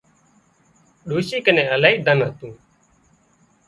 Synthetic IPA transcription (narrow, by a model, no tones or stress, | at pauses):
ɗuːʃiːkənẽːəlaːiːd̪ʱənɦət̪ũː